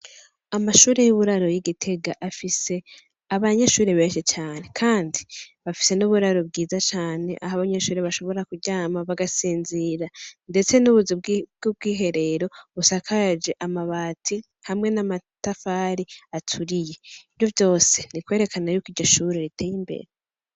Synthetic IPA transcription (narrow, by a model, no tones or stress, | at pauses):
amaʃuːɾe̞juβuɾaɾo̞jiɡitʰe̞ɡaʔafise̞ | aβaɲeʃuːɾeβe̞ːnʃit͡ʃaːne̞kʰaːndiβafi̥se̞nuβuɾaɾobɡiːzat͡ʃaːne̞̰ʔa̰haβaɲe̞ʃuːɾeβaʃo̞βo̞ɾakuɟaːmaβaɡasiːnziɾande̞t͡se̞nuβuzibɡob̚ɡiːɦe̞ɾe̞ɾo̞βusakʰad͡ʒe̞ʔamaβaːtʰi | hamŋe̞namatafaːɾiatʰuɾije̞ivjo̞vjo̞ːse̞nikwe̞ːɾe̞kʰanajukiɾɟoʃuːɾeɾitʰeːjimbḛɾe